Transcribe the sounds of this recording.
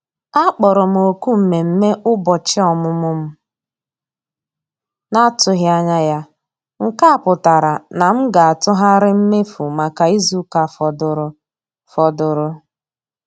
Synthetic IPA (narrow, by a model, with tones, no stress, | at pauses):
a˦k͡pɔ˨ɾʊ˨m̩˨o˨ku˦m̩˨me˨m̩˦me˦ʔʊ˦bɔ˨t͡ʃɪ˦ɔ˨mʊ˦mʊ˦m̩˦ | na˦tʊ˨ɣja˦ɲa˦ja˦ | ŋ̩˨ka˦˨pʊ˨ta˨ɾa˨na˨m̩˦ɡa˨a˨tʊ˦ɦa˦ɾɪ˦m̩˦me˦fu˨ma˨ka˨i˦zu˦ka˨fɔ˨dʊ˨ɾʊ˦ | fɔ˨dʊ˨ɾʊ˦